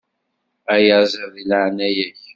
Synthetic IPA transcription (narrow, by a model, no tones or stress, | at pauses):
æjəzˤəðilaʕnæjæç